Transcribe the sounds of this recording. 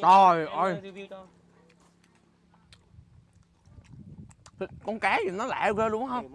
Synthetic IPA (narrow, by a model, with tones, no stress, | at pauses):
ɗɔ˨˩jʔə˧j | t̪ʰi˨˩kɔ˧˩nkaː˨˦zi˨˩nɔ˨˦la̰ː˧˨wɣəː˧lu˧˦əŋɦə˧wŋ͡m